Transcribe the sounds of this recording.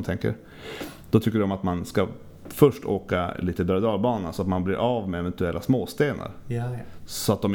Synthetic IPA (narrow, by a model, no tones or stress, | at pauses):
mt̪ʰɛŋkə̰ɾ | d̪̥ɔt̪ʰʏkːəɖɔmat̪manska | fœʂʈʰoːka̰liːt̪əbɾad̪ɑːlbɑːnasɔat̪manblɪɾʔaːvmɛɛvɛnt̪ɵɛlːa̰smoːst̪eːnʔa̰ɾ | sɔat̪̚d̪ɔm